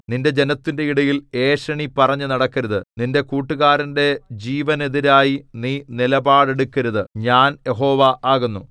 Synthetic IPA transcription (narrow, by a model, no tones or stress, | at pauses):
ninde̞d͡ʑe̞nɐt̪ːinde̞iɽɐjile̞ːʂɐɳipɐrɐɲːɨnɐɽɐkːɐɾɐðɨninde̞kuːʈːuɣaːɾɐnde̞d͡ʑiːʋɐne̞ðiɾaːjiniːnilɐbaːɽe̞ɽukːɐɾɐðɨɲaːnje̞ɦo̞ːʋɐʔaːɣunːu